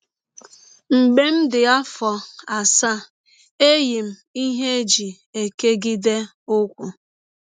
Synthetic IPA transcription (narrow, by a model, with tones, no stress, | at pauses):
ŋ͡m̩˨ɡ͡be˦m̩˦dɪ˨a˦fɔ˨a˨sa˦˨ | e˦ji˨m̩˨i˦ɦe˦d͡ʒi˨ | e˨ke˦ɡi˦de˦ | ʊ˦kʷʊ˨